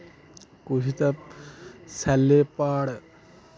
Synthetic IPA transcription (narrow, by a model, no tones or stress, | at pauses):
kusit̪ɐp | sɐlːepːaːɽ